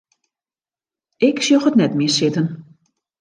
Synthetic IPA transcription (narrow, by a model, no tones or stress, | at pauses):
ɪksjoxətnɛtmɪsɪtən